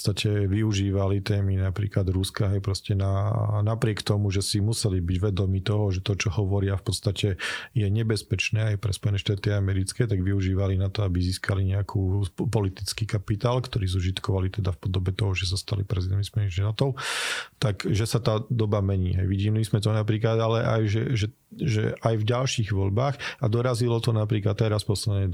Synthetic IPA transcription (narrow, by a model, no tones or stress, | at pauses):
ɔst̪acʰɛʋiuʒiːʋalit̪ɛːminapɾḭːklad̪ɾuskaɦɛjpɾɔscɛnanapɾɪɛkt̪ɔmuʒɛsimusɛlibiɟʋɛd̪ɔmiːt̪ɔɦɔʒɛt̪ɔt͡ʃɔhɔʋɔɾɪafpɔt̪st̪acɛjɛɲɛbɛspɛt͡ʃnɛːajpɾɛ̰spɔjɛnɛʃt̪aːt̪iaamɛɾit͡skɛːt̪aɡʋiuʒiːʋalinat̪ɔabiziːskʰaliɲɛakʰuːpɔlit̪it͡skiːkapit̪aːlkt̪ɔɾiːzuʒit̪kɔʋalit̪ɛd̪afpɔd̪ɔbɛt̪ɔɦɔʒɛsast̪a̰lḭpɾɛzid̪ɛnmispɔjɛniʃt̪aːt̪ɔʊt̪akʒɛsat̪aːd̪ɔbamɛɲḭːɦɛ̰jʋiɟiːmlizmɛt̪ɔnapɾiːklad̪alɛʔa̰jʒɛʒɛ | ʒɛʔajvɟalʃiːɣʋɔʎbaːxad̪ɔɾazilɔt̪ɔnapɾiːkat̪ɛɾaspɔslɛd̪ɲɛ